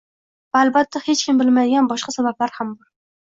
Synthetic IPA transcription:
vaːlbat̪ʰːahe̞t͡ʃkʲɪmbɪlmad̪ɪɡʲanbɒʃqɑsabablaɾhambɒɾ

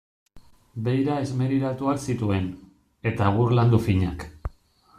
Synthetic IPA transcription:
be̞jɾae̞zme̞ɾiɾat̪uaksit̪ue̞n | e̞t̪aɣ̞uɾland̪ufiɲak

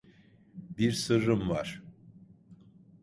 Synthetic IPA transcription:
biɾsɯɾɯmvaɾ̥

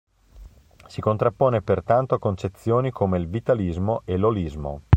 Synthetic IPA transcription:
sikont̪ɾapːoːnepert̪ant̪oakont͡ʃet̪sːjoːnikʰomeilvit̪alizmoʔelolizmo̰

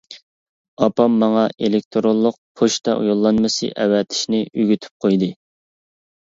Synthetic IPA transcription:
ɑpɑmːɑŋɑelɪk̚ʲt̪ʰoɾolˠːʊq̚pʰoʃt̪ʰɑʔṵjolˠːɑnmɨsɨ̰ʔɛwɛt̪ʰɪ̥ʃnɪyɡʲyt̪ʰy̥p̚qʰojd̪ɨ

